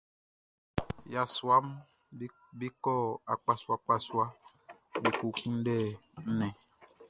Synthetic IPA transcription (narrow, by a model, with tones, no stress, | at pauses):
ja˨swa˦m˦ | bi˦kɔ˦˨a˨k͡pa˨swa˦k͡pa˦swa˦ | be˨ku˨kũ˦n̩˦dɛ˦˨n̩˦nɛ̃˨